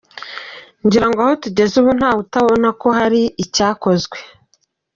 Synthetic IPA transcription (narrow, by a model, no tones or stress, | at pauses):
ɲɟiɾaŋɡoaho̞tuɟe̞zuβun̥haːβutaβo̞nako̞ɦaɾiicaːko̞zɡwe̞